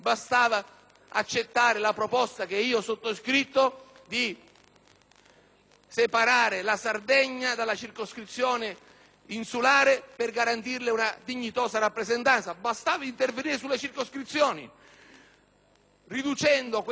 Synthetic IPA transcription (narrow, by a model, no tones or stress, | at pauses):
bast̪aːva | at͡ʃːet̪ːaːɾɪlapɾopɔst̪akeiːoɔsot̪ːoskɾit̪ːo | d̪i | sepaɾaːɾɪlasard̪eɲːad̪alːat͡ʃirkoskɾit̪sːjɔːnɪ | insulaːɾɪpɪrɡaɾant̪irlɪunad̪iɲːit̪ɔːsaɾapːɾezent̪ant̪sabast̪aːvaint̪erveniːɾɪsulːet͡ʃirkoskɾit̪sːjɔːnḭ | rid̪ut͡ʃɛnd̪ok